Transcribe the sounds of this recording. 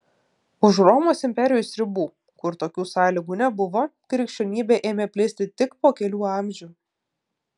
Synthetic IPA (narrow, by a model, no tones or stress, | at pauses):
ʊʃɾɔmoːsɪmʲpʲɛɾʲɪjʊsɾʲɪbuː | kʊɾt̪oːkʲuːsɑːlʲiːɡuːnʲɛbʊʋoːkɾʲɛkʃʲt͡ʃʲonʲiːbʲɛʔeːmʲeːpʲlʲɪsʲt̪ʲɪt̪ʲɪkpoːkʲɛlʲuːɑˑmʲʒʲuː